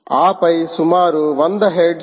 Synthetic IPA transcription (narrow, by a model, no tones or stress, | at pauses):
aːpɐjsumaːɾuʋɐnd̪ɐɦeɖ